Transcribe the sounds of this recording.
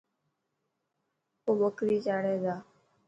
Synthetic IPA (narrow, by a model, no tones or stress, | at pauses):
oːbəkɾiːt͡ʃaːɽeːd̪aː